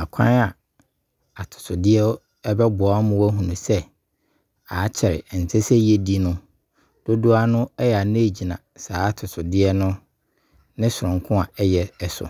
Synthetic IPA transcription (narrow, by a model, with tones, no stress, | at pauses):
a˨kʷʰã˦na˨ | a˨tʰʊ̥˨sʰʊ˨dɪ˦ɛ˦ | ɛ˦bɛ˦bʊ˨a˦mʊ̃˦wæ˦ɦũ˨nũ˨sɛ˦ | a˨˦t͡ɕʰɛ˨ɾɪ̰˨n̩˨tʰɛ˦sɛ˦je˦di˦nʊ̃˦ | d̥o˦dʊ˦a˦nʊ̃˦ɛ˦jɛ˨a˨nʊ̃˦e˨d͡ʑi˨nã̰˨saː˨˦a˦tʰʊ˨sʰʊ˨dɪ˦ɛ˦nʊ̃˦ | nɪ̃˦sʊ˨ɾʊ̃˨ŋ˨kʰʊ̃˦a˨ɛ˦jɛ˦ɛ˨sʊ̰˨